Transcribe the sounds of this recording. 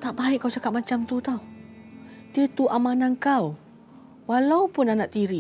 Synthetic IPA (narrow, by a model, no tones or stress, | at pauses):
t̪aʔbaɪʔkːawt͡ʃakat̪̚mat͡ʃamt̪ut̪aw | diət̪uʔamanankaw | walawpʊnanaʔt̪iɾi